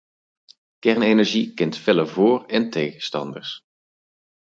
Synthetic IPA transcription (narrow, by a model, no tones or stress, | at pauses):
kɛɹnenɛɹʒikɪntfɛləvʊːrɛntejɣəstɑ̰ndə̰ɹs